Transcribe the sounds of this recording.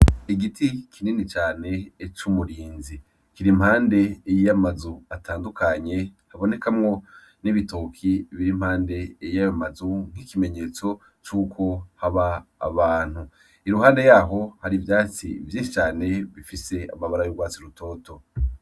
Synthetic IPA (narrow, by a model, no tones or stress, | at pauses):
iɡitʰikʰiniːnit͡ʃaːne̞t͡ʃumuɾiːnzi | kiɾim̥haːnde̞ːjijamazuatʰaːndukʰaɲe̞haβo̞ne̞kamŋo̞ | niβitokʰiβiɾim̥haːnde̞ːjijajamazuŋ̥hikime̞ɲe̞ːt͡so̞ | t͡ʃuːkʰo̞haβa̰ːβaːn̥hu | iɾuɦaːnde̞jaːɦo̞haɾivjaːt͡sivjiːnʃit͡ʃaːne̞βifise̞a̰maβaɾajoɡwaːt͡siɾutʰo̞ːto̞